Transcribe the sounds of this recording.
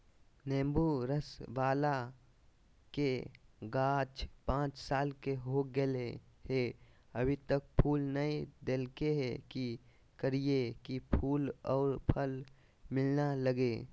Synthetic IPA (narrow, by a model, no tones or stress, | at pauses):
nẽːmbuɾəsʋaːla | keɡaːt͡ʃpãːt͡ʃsaːlkeɦoɡəle | ɦe | əbʱit̪ək̚pʰuːlnəid̪elkeɦeki | kəɾiekipʰuːlɔːɾpʰəl | mɪlnaləɡe